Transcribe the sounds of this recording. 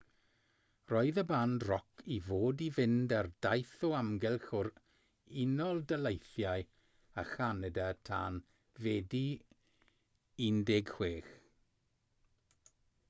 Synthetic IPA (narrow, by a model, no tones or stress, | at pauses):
rɔɨðəbandrɔkʰivoːdivɪndardajθɔamɡɛlˠχʊɾ | ɪnɔlˠdəlˠejθjaj | aχanɛdatʰa̰ːn | vɛdi | indɪɡhweːx